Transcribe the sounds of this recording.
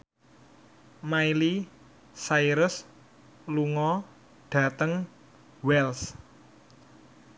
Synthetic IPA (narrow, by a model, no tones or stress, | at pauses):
maili | saiɾʊs | luŋɔ | ɖ̥a̤t̪əŋ | wɛls